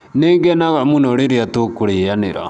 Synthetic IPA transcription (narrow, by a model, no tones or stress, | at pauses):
neŋɡɛnaɣamunɔɾiɾiatokuɾianḛɾa̰